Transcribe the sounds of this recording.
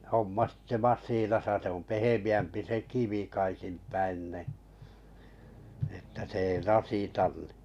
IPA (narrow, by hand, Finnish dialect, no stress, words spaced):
homːɑ si̥tːe̥ mɑsˑiːnɑsɑ se om pehemiæmpi se kiʋi kɑikim pæin ni etːæ se ei rɑsˑitɑn n̥i̥